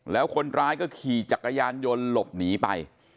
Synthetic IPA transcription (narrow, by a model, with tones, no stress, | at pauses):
lɛː˦˥wkʰo˧nɾaː˦˥jkɔː˥˩kʰiː˨˩t͡ɕa˨˩kːa˧jaː˧njo˧nlo˨˩p̚niː˩˦pa˧j